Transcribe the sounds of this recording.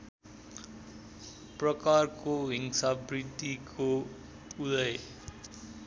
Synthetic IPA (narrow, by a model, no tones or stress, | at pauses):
prʌkarkoɦiŋsʌbrid̪ikʰo | ud̪ʌj